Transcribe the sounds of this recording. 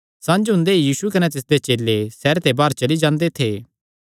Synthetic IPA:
sãːnd͡ʒɦʊ̃nd̪eijiːsukɐnɛ̃t̪ɪs̬d̪et͡ʃeːlːesɛːɾt̪ebaːɾt͡ʃɐlid͡ʒãːnd̪et̪ʰeː

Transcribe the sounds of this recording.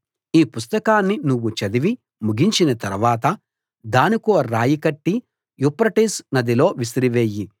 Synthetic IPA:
iːpust̪ɐkaːnːinuʋːut͡ʃɐd̪iʋi | muɡiɲt͡ʃinɐt̪ɐɾuʋaːt̪ɐ | d̪aːnikuɾaːjikɐʈːi | jupɾɐʈiːsnɐd̪ilo̞ːʋisiɾiʋeːji

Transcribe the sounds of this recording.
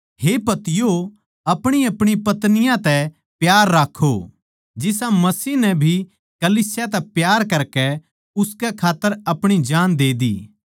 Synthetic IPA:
ɦepɐt̪ɪjo | ɐpɽ̃iɐpɽ̃ipɐt̪nɪjãt̪ɛ | pjaːɾːaːkʰːo | d͡ʒɪsãmɐsiːnɛbʱi | kɐliːsɪjat̪̬ɛpjaːɾkɐɾkɛ | ʊskɛkʰaːt̪ːəɾɐpɽ̃id͡ʒaːnd̪eːd̪ḭː

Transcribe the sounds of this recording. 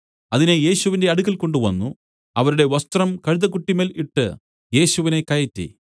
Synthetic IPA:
ɐðineje̞ːɕuʋinde̞ɐɽuɣɐlko̞ɳɖuʋɐnːu | ɐʋɐɾuɽe̞ʋɐst̪rɐmkɐɻuðɐkuʈːime̞ːliʈːɨ | je̞ːɕuʋine̞kɐjɐtːḭ

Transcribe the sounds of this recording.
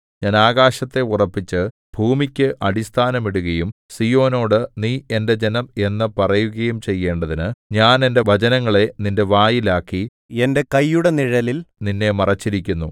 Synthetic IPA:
ɲaːnaːɣaːɕɐt̪ːe̞urɐpːit͡ɕːɨ | b̥ʱuːmikʲːɨʔɐɽist̪ʰaːnɐmiɽuɣɐjumsijo̞ːno̞ːɽɨniːe̞nde̞d͡ʑenɐme̞nːɨpɐrɐjuɣɐjumt͡ɕe̞jːe̞ːɳɖɐðinɨɲaːne̞nde̞ʋɐt͡ɕɐnɐŋːɐɭe̞ninde̞ʋaːjilaːkːi | e̞nde̞kɐjːuɽe̞niɻɐlilninːe̞mɐrɐt͡ɕːiɾikʲːunːu

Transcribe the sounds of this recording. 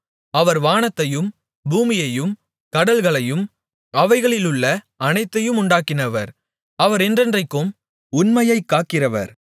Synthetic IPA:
ɐʋɐɾʋaːnɐt̪ːɐjɯm | buːmɪjɐjɯm | kɐɽɐlɣɐɭɐjɯm | ɐʋɐɪɣɐɭɪlɯɭːɐ | ɐnɐɪt̪ːɐjɯmʊɳɖaːkːɪnɐʋɐɾ | ɐʋɐɾɛndrɐndrɐɪkːɯm | ʊnmɐjɐɪkːaːkɪrɐʋɐ̰ɾ

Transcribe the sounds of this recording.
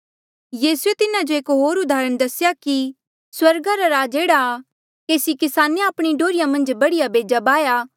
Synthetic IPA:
jiːsuet̪ɪnãd͡ʒoeːkɦoːɾʊd̪aːɾəɽ̃d̪ɐsjaki | swɐɾɡaɾaɾaːd͡ʒeːɽa | keːsikɪsaːneaːpɽ̃iɖoːɾɪjãmɐ̃nd͡ʒbɐɽɪjabeːd͡ʒabaːjaː

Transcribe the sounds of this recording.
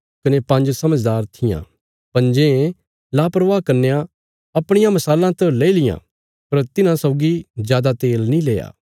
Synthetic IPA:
kɐnepɐ̃nd͡ʒsɐməd͡ʒd̪aːɾt̪ʰɪjã̰ | pɐ̃nd͡ʒẽ | lapɾəʋaːkɐɾnejã | ɐpɽ̃ɪjãmɐsaːlãt̪ɐleːilɪjã̰ | pɐɾt̪ɪnãsɔʊɡizjaːd̪at̪eːlnĩleːja̰ː

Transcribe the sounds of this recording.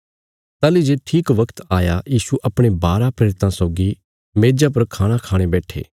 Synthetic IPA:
t̪aːlid͡ʒeʈʰiːkʋɐkt̪aːjajiːsuʔɐpɽ̃ebaːɾapɾeːɾɪt̪ãsɔːɡi | meːd͡ʒap̬ɐɾkʰaːɽ̃akʰaːɽ̃ebɛːʈʰḛː

